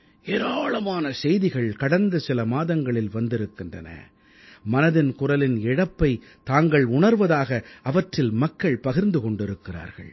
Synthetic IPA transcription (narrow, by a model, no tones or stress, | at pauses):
eːɾaːɭɐmaːnɐsɛjðɪɣɐɭkɐɽɐnd̪ɐsɪlɐmaːðɐŋɡɐɭɪlʋɐnd̪ɪɾɯkːɪndrɐ̰nɐ̰ | mɐnɐðɪnkʊrɐlɪnɛɽɐpːɐɪ | t̪aːŋɡɐɭʊɳɐɾʋɐðaːɣɐɐʋɐʈrɪlmɐkːɐɭpɐɣɪɾnd̪ɯkɔɳɖɪɾɯkːɪra̰ːɾɣɐ̰ɭ